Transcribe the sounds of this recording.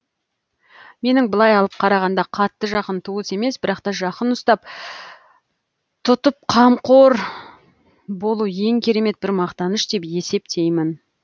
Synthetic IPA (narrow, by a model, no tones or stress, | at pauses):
me̞nɪŋbəlˠɑjɑlˠəp̚qʰɑɾɑʁɑnd̪ɑqʰɑt̪ːəʒɑqənt̪ʰuəse̞me̞sbɪɾɑqt̪ɑʒɑqənʊst̪ɑp̚ | t̪ʰʊt̪əp̚qʰɑmqʰoɾ | bo̞lˠuje̞ŋkʲʰe̞ɾe̞me̞t̪̚bɪɾmɑqt̪ɑnəʃt̪e̞pje̞se̞pt̪ʰe̞jmɪn